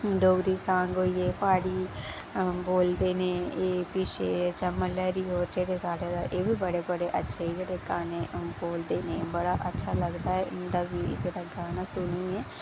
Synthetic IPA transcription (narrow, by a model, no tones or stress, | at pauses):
ɖoːɡɾiːsãːŋɡoːiːeːpaːɽiː | boːld̪eːnẽːeːpiːʃeːt͡ʃəmːəlɛːɾiːɦoːɾd͡ʒeːɽeːsaːɽeːd̪aːʔeːbiːbəɽeːbəɽeːʔətːʃʰeːiːd͡ʒeːɽeːkaːneːboːld̪eːnẽːbəɽaːʔətːʃʰaːləɡd̪aːɛːʔɪnd̪aːbiːd͡ʒeːɾaːɡaːnaːsʊniːɛː